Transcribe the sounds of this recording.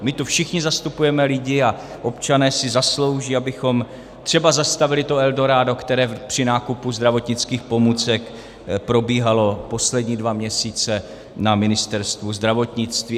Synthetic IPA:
mɪt̪ufʃɪxɲɪzast̪upujɛmɛlɪɟɪa | ʔo̞pt͡ʃanɛːsɪzaslo̞wʒiːabɪxo̞m | t̪r̝̥ɛbazast̪avɪlɪt̪o̞ɛldo̞ɾaːdo̞kt̪ɛɾɛːpr̝̥ɪnaːkupuzd̪ɾavo̞t̪ɲɪt͡skiːxpo̞muːt͡sɛk | pɾo̞biːɦalo̞po̞slɛdɲiːdvamɲɛsiːt͡sɛ | namɪnɪst̪ɛɾst̪vuzd̪ɾavo̞t̪ɲɪt͡st̪viː

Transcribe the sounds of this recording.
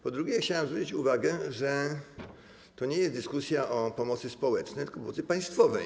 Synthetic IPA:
pɔd̪ɾuɡʲɛxt͡ɕawamzvɾut͡ɕit͡ɕuvaɡɛʐɛ | t̪ɔɲejɛst̪d̪ɘskusʲjaʔɔpɔmɔt̪sɘspɔwɛt͡ʂnɛjt̪kɔpɔmɔt̪sɘpaj̃st̪fɔvɛj

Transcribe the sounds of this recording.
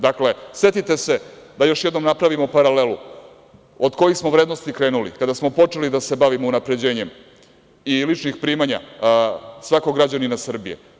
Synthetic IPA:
d̪akle̞sʋet̪it̪e̞se̞d̪ajo̞ʃjed̪no̞mnapɾaʋimo̞paɾalelu | od̪ko̞jixsmo̞ʋvɾed̪no̞st̪ikɾe̞ːnulḭkad̪asmo̞po̞t͡ʂe̞lid̪ase̞baʋimounapɾe̞d͡ʑe̞ːɲe̞m | ilit͡ʂnixpɾiːmaɲa̰ | sʋakoɡɾad͡ʑaninasr̩bijḛ

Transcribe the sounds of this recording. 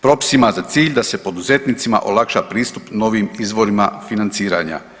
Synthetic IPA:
pɾo̞pi̥simazat̪siːʎd̪ase̞po̞d̪uze̞t̪nit̪sima̰ʔo̞̰lˠakʃapɾiːst̪upno̞ʋimizʋo̞ɾima̰finant̪siːɾa̰ɲa̰

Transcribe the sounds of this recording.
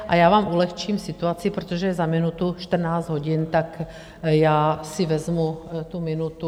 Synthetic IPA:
ʔa̰jaːʋaːmulɛxt͡ʃiːmfsit̪uat͡siipɾɛt̪oʒɛjɛzaminut̪uʃt̪r̩naːzd̪ɦɔɟint̪ak | jaːsivɛzmut̪uminut̪u

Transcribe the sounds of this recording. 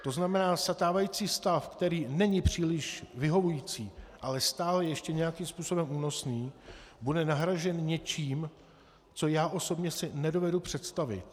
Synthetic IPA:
t̪o̞znamɛnaːsat̪aːvajiːt͡siːst̪afkt̪ɛɾiːnɛɲɪpr̝̥iːlɪʃvɪɦo̞vujiːt͡siːʔalɛst̪aːlɛjɛjɛʃcɛɲɛjakimspuːso̞bɛmuːno̞sniːbudɛnaɦɾaʒɛnɲɛt͡ʃiːm | t͡so̞jaːʔo̞so̞bɲɛsɪnɛdo̞vɛdupr̝̥ɛt̪st̪avɪ̰t̪̚

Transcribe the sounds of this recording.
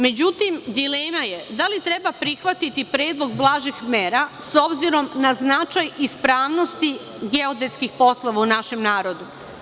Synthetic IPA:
me̞d͡ʑut̪imd̪ileːmaje̞d̪alit̪ɾe̞bapɾixʋat̪it̪ipɾe̞ːd̪lˠoɡ̚blˠaːʒixmeːɾaso̞bziɾo̞mnaznat͡ʃajispɾaːʋno̞st̪i | ɡeod̪et̪skixpo̞slˠoʋaunaʃe̞mnaːɾo̞d̪u

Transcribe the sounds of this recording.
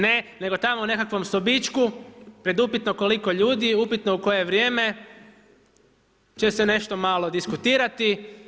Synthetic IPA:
nene̞ɡot̪amoune̞kakʋo̞mst̪obit͡ʃkupɾe̞d̪upit̪noko̞liko̞ʎuːd̪iupit̪no̞uko̞je̞ʋɾjeːme̞ | t͡ʃesene̞ʃt̪o̞malˠo̞d̪iskut̪iːɾat̪i

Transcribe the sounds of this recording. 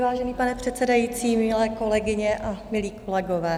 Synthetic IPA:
vaːʒɛniːpanɛpr̥ɛt̪sɛdajiːt͡siːmɪlɛːko̞lɛɡɪɲɛʔamɪliːko̞lɛɡovɛː

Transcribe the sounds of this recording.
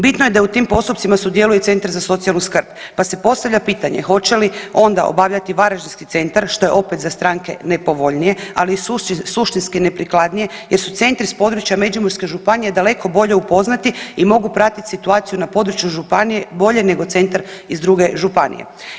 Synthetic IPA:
bit̪noje̞d̪aut̪iːmpo̞st̪up̚t̪simasud̪je̞lujet̪se̞nt̪aɾzaso̞t̪sialˠnuskr̩bpase̞po̞st̪aʋʎapiːt̪aɲe̞̰xo̞t͡ɕe̞lio̞nd̪a̰o̰baʋʎʲat̪iʋaɾaʒinskit̪se̞nt̪aɾʃt̪o̞je̞ʔo̞pet̪zast̪ɾaːŋke̞nepo̞ʋo̞ʎnije̞alisuʃt̪inskinepɾiklad̪nije̞jeɾsut̪se̞nt̪ɾispo̞d̪ɾut͡ɕjame̞d͡ʒumoɾske̞ʒupanije̞d̪ale̞kʰo̞bo̞ʎe̞upo̞znat̪iimo̞ɡupɾat̪it̪ʲsit̪uaːt̪sijunapo̞d̪ɾut͡ʃjuʒupanijebo̞ʎe̞ne̞ɡo̞t̪se̞nt̪aɾizd̪ɾuɡe̞ʒupanḭjḛ

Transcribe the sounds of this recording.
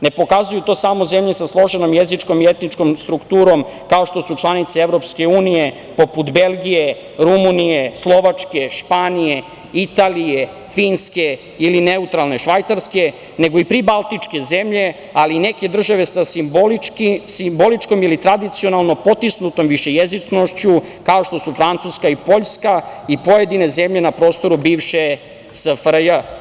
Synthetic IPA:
ne̞po̞kazujut̪o̞ːsamo̞ze̞mʎesaslˠo̞ʒenomjezit͡ʃko̞miet̪nit͡ʃkomst̪ɾukt̪uːɾo̞mkao̞ʃt̪o̞sut͡ʃlˠanit̪seeʋɾo̞pske̞uːnije̞ | po̞put̪be̞lɡʲije | ɾumunijeslˠo̞ʋat͡ʂke̞ʃpanije̞ | it̪aːlije̞ | fiːnske̞ | iline̞ut̪ɾalˠne̞ʃʋajt̪saɾske̞ | ne̞ɡo̞ipɾibalˠt̪it͡ʂke̞ze̞mʎe̞ | aline̞ke̞d̪r̩ʒaʋe̞saboikisimbo̞lit͡ʃko̞milit̪ɾad̪it̪sio̞nalˠno̞po̞t̪isnut̪o̞mʋiʃe̞jezit͡ʃno̞ʃt͡ɕukao̞ʃt̪o̞sufɾant̪suskaipo̞ʎskaipo̞jed̪ine̞zemʎe̞napɾo̞ːst̪o̞ɾubiːʋʃe | səfɾjə

